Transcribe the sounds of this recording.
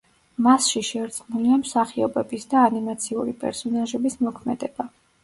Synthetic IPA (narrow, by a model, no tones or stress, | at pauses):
masʃiʃɛɾt̪sʰʼnuliamsaχiɔbɛbisd̪aːnimat̪sʰiuɾipʼɛ̰ɾsɔnaʒɛbismɔkʰmɛ̰d̪ɛba